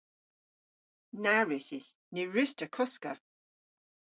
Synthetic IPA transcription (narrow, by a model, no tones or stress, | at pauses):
naɹɪsɪs | nɪɹɪstəkʰɔskə̰